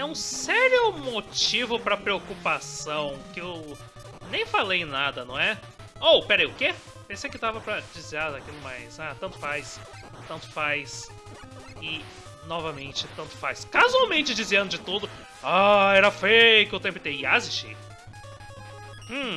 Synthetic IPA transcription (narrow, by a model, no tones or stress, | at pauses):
ɛũsɛɾjʊmot͡ʃivʊpɾɐpɾeokupasɐ̃w̃kɪew | nẽj̃falejnad̪ɐnɐ̃w̃ɛ | owpɛɾɐejʊke | pẽsejkɪd̪avɐpɾɐd͡ʒiziaɾd̪akilʊmajsat̪nt̪ʊfajs | t̪ɐ̃nt̪ʊ̥fajs | ɪ | nɔvɐmẽnt͡ʃɪt̪ɐ̃nt̪ʊ̥fajskazuawmẽnt͡ʃɪd͡ʒiziẽnd̪ʊd͡ʒɪt̪ud̪ʊ | aɛɾɐfejkeʊt̪ẽpɪt̪eiazist͡ʃḭ